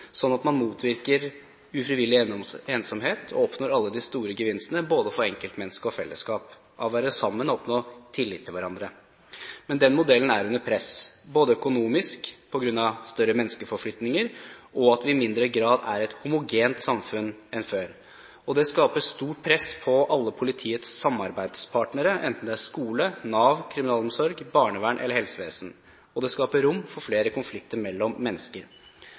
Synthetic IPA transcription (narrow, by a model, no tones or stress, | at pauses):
sɔnːɑt̪mɑnmuːt̪ʰʋɪɾkəɾ | ʉfɾɪʋɪlːɪeːnsɑmɦeːt̪ʰɔ̰ɔpnɔɾɑlːəd̪ɪst̪uːɾəɡəʋɪnsənəboːd̪əfɔɾɛŋkəlt̪mɛnːskəɔfɛ̰lːə̰skɑːp | ʔɑ̰ʋʋæːɾəsɑmːənɔɔpnoːt̪ʰɪlːɪt̪ʰːɪlʋæɾɑnd̪ɾə | mɛnd̪ɛnmʊd̪ɛlːən̩æɾʉnːəɾpʰɾɛsboːd̪əœkʊnuːmɪskpʰɔɡɾʉnːɑst̪œɾːəmɛnːskəfɔɾflʏt̪nɪŋəɾɔɑt̪ʋɪɪmɪnd̪ɾəɡɾɑːd̪æ̰ɾɛt̪hʊmʊɡeːnt̪sɑmfʉnɛnføːɾ | ɔd̪ɛskɑːpəst̪uːʈ̚pʰɾɛspʰɔʔɑlːəpʰʊlɪt̪ʰiːət̪sːɑmːɑɾbæɪd̪spʰɑʈnəɾəʔɛ̰nt̪n̩d̪ɛæɾʂkuːlənɑːʋkʰɾɪmɪnɑːlɔmsɔɾɡbɑːɳəʋæːɳʔɛləɾhɛlsəʋḛːsn̩ | ɔd̪ɛskɑːpəɾʊmːfɔɾfleːɾəkʊnflɪkt̪əɾmɛlːɔmːɛnːəskəɾ